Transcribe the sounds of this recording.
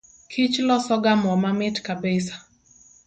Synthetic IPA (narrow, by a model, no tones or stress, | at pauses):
kʰit͡ʃlɔsɔɡamwamamitkabɛsḁ